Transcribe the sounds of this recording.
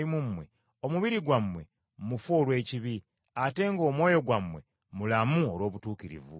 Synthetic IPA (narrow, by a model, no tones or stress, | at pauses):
imumːwe̞ | o̞muβiɾiɡwamːwe̞ | mufoːlwe̞ːciβi | ate̞ːŋɡo̞ːmwo̞ːjo̞ɡwamwe̞̰ | mulamuolwo̞ːβutuːkiɾḭvṵ